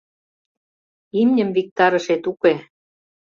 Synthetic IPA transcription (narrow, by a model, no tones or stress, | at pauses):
imnʲə̆mvik̚t̪ɑɾɤ̆ʃet̪uke